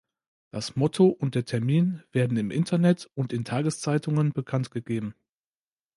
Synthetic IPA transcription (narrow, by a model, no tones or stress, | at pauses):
d̥asmɔtʰoʔʊnt̚d̥eːɐtʰɛɐmiːnv̥eːɐdn̩ɪmʔɪ̰ntʰɐnɛtʊntɪntʰaːɡəst͡saɪtʰʊŋənbəkʰantɡ̥əɡeːbm̩